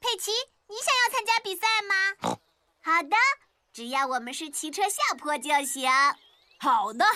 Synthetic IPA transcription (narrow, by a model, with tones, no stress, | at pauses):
pʰe˥˩ɪt͡ɕʰi˧˥ | ni˧˥ɕjɑ˨˩ŋjɑ˥˧ʊt͡sʰa˥nt͡ɕja˥pi˨˩sa˥˩ɪmɐ˨ | xɑ˨˩ʊd̪ə˧ | ʈ͡ʂɻ̩˨˩jɑ˥˩ʊwɔ˨˩mə˦nʂɻ̩˥˩t͡ɕʰi˧˥ʈ͡ʂʰɤ˥ɕja˥˧pʰwɔ˥˧t͡ɕjɑ˥˩ʊɕɑ˧˦ŋ | xɑ˨˩ʊd̪ə˦